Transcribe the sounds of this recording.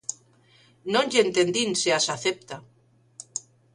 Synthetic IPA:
nõnʎent̪end̪inseasaθep̚t̪a

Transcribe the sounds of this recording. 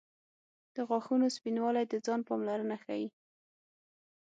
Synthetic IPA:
d̪̥əɣɑxunospinwɑlajd̪əd͡zɑnpɑmlaɾənaxa̰ji

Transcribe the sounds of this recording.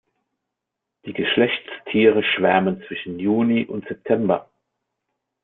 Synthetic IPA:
d̥iːɡəʃlɛçt͡stʰiːʁ̞əʃv̥æɐmənt͡sv̥ɪʃn̩juːniʔʊntz̥ɛp̚tʰɛmbɐ̰

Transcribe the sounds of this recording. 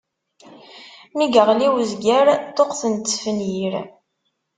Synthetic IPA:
miɡəʁliwzɡəɾt̪oqθənt̪ːfənjiɾ

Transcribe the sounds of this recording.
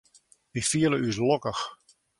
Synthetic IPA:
difiələys̬lɔkəx

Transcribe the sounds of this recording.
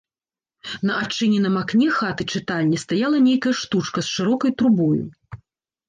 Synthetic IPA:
nɐʔat͡ʂɨnʲɛnɐmaknʲɛxat̪ɨt͡ʂɨt̪alʲnʲist̪ajalˠɐnʲejkɐjɐʂt̪ut͡ʂkɐsʂɨɾɔkɐjt̪ɾubɔjṵ

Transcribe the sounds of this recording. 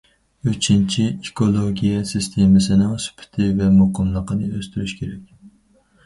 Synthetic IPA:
øt͡ʃʰint͡ʃʰiikʰolˠoɡʲijɛsist̪ʰemɪsɪnɪŋsy̥pʰɪ̥t̪ʰɪvɛmoqʰəmlˠəqənɨøst̪ʰyɾyʃkʲʰeɾɛk̚kʲ

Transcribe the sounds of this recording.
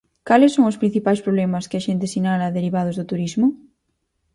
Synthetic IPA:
kalɪsːoŋospɾin̟θipajspɾoβlemaskeaʃent̪esinalaðeɾiβ̞aðozðot̪uɾizmʊ

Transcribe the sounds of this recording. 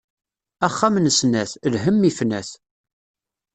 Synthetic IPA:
æχːæmnəsnæθlɦəmːifnæθ

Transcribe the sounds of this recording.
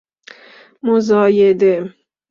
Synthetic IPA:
mozɒːjed̪e

